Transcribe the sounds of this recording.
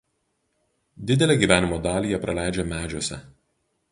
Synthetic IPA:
d̪ʲɪd̪ʲɛlʲeˑɡʲiːˑʋʲæːnʲɪmoːd̪ɑːlʲiːjɛpɾɐlʲæˑɪd͡ʒʲɛmʲæːd͡ʒʲuːsʲɛ̰

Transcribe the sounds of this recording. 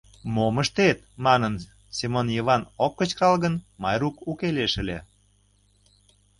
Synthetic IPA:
moməʃt̪et̪̚mɑnən | simonjiβɑnokːət͡ɕkɑlɣənmɑjɾukukeleʃəlḛ

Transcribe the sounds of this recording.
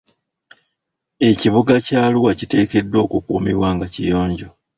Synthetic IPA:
e̞ciβuɡacaːluwacite̞ːke̞dːo̞ːkukuːmiβwaːŋɡacijo̞ːɲɟo̞

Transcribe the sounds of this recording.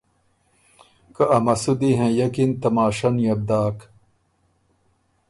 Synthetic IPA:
kɐʔɐmɐsud̪iɦẽjɐkint̪ɐmaːʂɐnjɐb̚d̪aːk

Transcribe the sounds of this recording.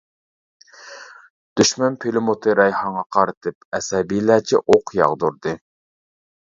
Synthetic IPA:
d̪̥yʃmɛnpʰelɪmot̪ʰɨɾɛjhɑŋɑqʰɑɾɨt̪ʰɨp̚ɛsɛbilæt͡ʃʰɛ̰ʔoqjɑ̰ʁd̪uɾd̪ɨ

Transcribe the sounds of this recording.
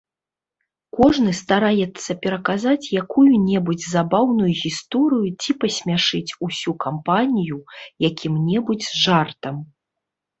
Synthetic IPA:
kɔʐnɨst̪aɾajɛt̪sːɐpʲɛɾɐkazat͡sʲjakujunʲɛbud͡zʲzabawnujuɣʲist̪ɔɾɨjut͡sʲipɐsʲmʲaʂɨt͡sʲusʲukʰampanʲijujakʲimnʲɛbud͡zʲzʐart̪ɐm

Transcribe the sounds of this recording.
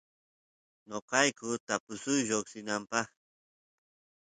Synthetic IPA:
ɲoqɑjkʊt̪apʊsʊjʒoksɪnampɑχ

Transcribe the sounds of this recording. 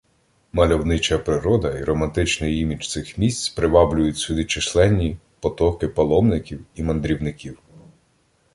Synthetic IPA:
mɐlʲɔwnɪt͡ʃɐpɾɪɾɔd̪ɐiɾɔmɐnt̪ɪt͡ʃnɪjimʲit͡ʃt̪sɪxmʲisʲt͡sʲpɾɪʋɑblʲʊjʊtʲsʲʊd̪it͡ʃɪslˠɛnʲːi | pɔt̪ɔkɪpɐlˠɔmnɪkʲiwimɐnd̪ɾʲiwnɪkʲiw

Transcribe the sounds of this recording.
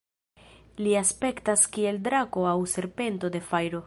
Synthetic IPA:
liaspe̞ktaskie̞ldɾako̞awse̞ɾpe̞nto̞de̞fajɾo̞

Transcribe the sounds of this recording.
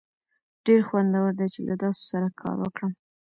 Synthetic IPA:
ɖ̥eɾxwand̪awəɾd̪ajt͡ʃelʔad̪ɑso̥saɾakʰɑ̰ɾwəkɽəm

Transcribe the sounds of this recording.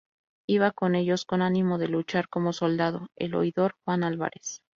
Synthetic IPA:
iβako̞ne̞ʝo̞sko̞nanĩmo̞ðe̞lut͡ʃaɾko̞mo̞so̞ld̪aðo̞e̞̰lo̞̰jðo̞ɾxwanalβa̰ɾʔe̞s

